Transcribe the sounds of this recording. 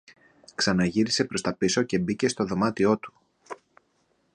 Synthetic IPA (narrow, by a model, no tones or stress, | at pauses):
ksɐnɐʝiɾise̞pɾo̞st̪ɐpiso̞ce̞bice̞st̪o̞ðo̞mɐt̪io̞t̪u̥